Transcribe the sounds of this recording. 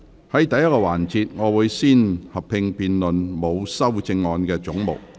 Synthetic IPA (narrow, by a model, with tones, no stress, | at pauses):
hɐ˨˥jt̪ɐ˨jːɐ˥t̚kɔː˧waː˨˩nt͡siː˨˧t̚ŋɔː˨˧wuː˨˧jsiː˥nhɐ˨p̚pʰɪ˧ŋpiː˧nlɵ˨nmo˨˧wsɐ˥wt͡sɪ˧ŋːɔː˧nkɛː˧t͡sʊ˨˥ŋmo̰˨w̚